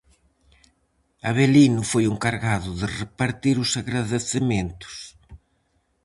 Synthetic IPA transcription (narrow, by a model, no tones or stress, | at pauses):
aβelinʊfojeŋkaɾɣaðʊðɪrepaɾt̪iɾʊsaɣɾaðeθement̪ʊ̥s